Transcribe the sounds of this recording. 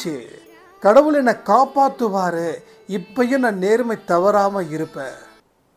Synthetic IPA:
e | kɐɽɐʋɯɭɛnɐkaːpaːt̪ːɯʋaːɾɯ | ɪpːɐjʊ̃nãːneːɾmɐɪt̪ːɐʋɐɾaːmɐɪɾɯpːeː

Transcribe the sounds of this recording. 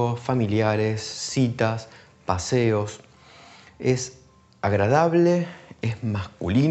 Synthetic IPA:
ofamiljaɾesːit̪as | paseo̞s | es | aɣɾað̞aβleesmaskuli

